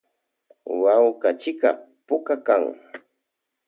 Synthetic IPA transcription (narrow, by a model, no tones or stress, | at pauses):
wawkat͡ʃɪka̰ | pʊkakaŋ